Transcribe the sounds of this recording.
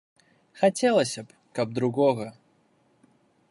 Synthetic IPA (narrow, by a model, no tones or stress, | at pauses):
xɐtʲelˠəsʲəp | kɐb̚d̪ɾʊɡoɣə